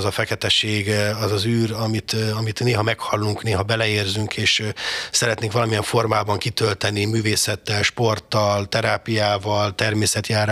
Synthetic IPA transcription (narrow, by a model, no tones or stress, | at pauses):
zɒfɛkɛt̪ɛʃeːɡɒzɒzyːrɒmit̪ɒmit̪neːɦɒmɛkhɒlːuŋkneːɦɒbɛlɛeːrzyŋkʰeːʃsɛɾɛt̪neːŋkʋɒlɒmijɛɱfo̞rmaːbɒŋkit̪ølt̪ɛnimyːveːsɛt̪ːɛlʃpo̞rt̪ːɒlt̪ɛɾaːpijaːvɒlt̪ɛrmeːsɛt̪jaːɾ